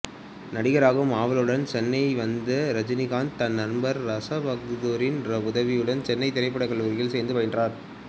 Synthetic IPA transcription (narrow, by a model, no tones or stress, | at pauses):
nɐɽɪɣɐɾaːɣɯmaːʋɐlɯɽɐnt͡ʃɛnːɐɪʋɐnd̪ɐɾɐd͡ʒɪnɪɣaːnt̪ɐnːɐɾmbɐɾɾɐsɐʋɐk̚t̪ðoːɾɪnɾɐʊðɐʋɪjɯɽɐnt͡ʃɛnːɐɪt̪ːɪɾɐɪpːɐɽɐɪkɐɭuːɾjɪlsɛːnd̪ɯpɐjndraːɾ